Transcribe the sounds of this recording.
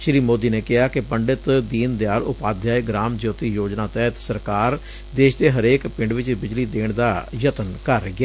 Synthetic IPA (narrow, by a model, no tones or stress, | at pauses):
ʃɾiːmoːd̪iːneːkɪɦaːkɪpəɳɖɪt̪d̪iːnd̪jaːɾʊpaːd̪jaːeɡɾaːmd͡ʒjoːt̪iːjoːd͡ʒnaːt̪ɛːt̪səɾkaːɾ | d̪eːʃd̪eːɦəɾeːkpɪ̃ɳɖʋɪt͡ʃbɪd͡ʒliːd̪eːɳ̃d̪aːjət̪ənkəɾːəiaː